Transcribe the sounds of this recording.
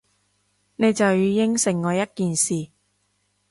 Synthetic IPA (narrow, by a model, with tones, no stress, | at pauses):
ne˨˧jt͡sɐ˨wjyː˨˧jɪ˥ŋsɪ˨˩ŋːɔː˨˧jɐ˥t̚kiː˨nsiː˨